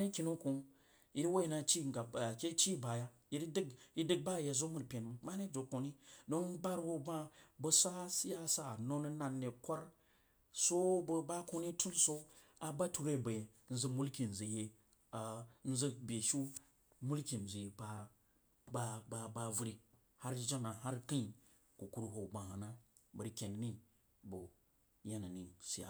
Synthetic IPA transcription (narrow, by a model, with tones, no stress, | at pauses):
a˦ni˦kʲi˨nu˦ku˨ | i˦ɾwo˦i˨na˨t͡ʃi˦˨ɡa˨kʲe˦t͡ʃi˦˨ba˨ja˦ | ji˦ɾdi˦ɡi˦dɨ˦ɡ̚ba˦˨je˨zo˦mu˨ɾpʲe˨nm˨ma˦ne˦do˨ko˨ni˦do˦ŋ˦ba˦ɾwo˦ba˦bə˦sa˦si˦ja˦sa˦˨no˦n˦na˨nːe˨kʷa˦ɾ | so˦bba˦ko˦ni˦tu˦nso˦ | a˨ba˦tu˦˨ɾe˦˨be˨ | n̩˦zə˦mu˦lki˨n˨zi˨je˦ | a˨n̩˦zə˦bʲe˨ʃu˦ | mu˦lkʲi˨n˨zʷi˨ba˨ | ba˨ba˨ba˨vu˦ɾi˨ | ha˦ɾd͡ʒa˦na˨ɦa˦ɾki˦˨ | ku˨ku˦ɾɦo˨ɡ͡ba˨ha˨na˦bə˨ɾkʲe˨n˦ni˦ | bo˨ | ja˦na˨ni˨si˦ja̰˨